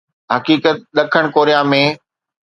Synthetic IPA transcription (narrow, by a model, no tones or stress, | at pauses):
ɦɐkiːkət̪̚ɗɐkʰəɽ̃koːɾijãmẽ